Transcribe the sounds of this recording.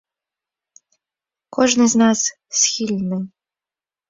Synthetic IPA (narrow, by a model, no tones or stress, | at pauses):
kʰɔʐnɨznas | sxʲilʲnɨ